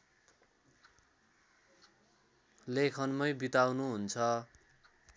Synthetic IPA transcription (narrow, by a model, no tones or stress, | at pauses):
lekʰʌnmʌjbit̪awnuɦunt͡sʰʌ